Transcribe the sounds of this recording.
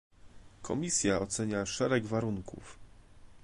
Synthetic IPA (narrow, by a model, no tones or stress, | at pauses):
kʰɔmʲisʲjaɔt̪sɛɲaʂɛɾɛɡvaɾuŋkʰṵf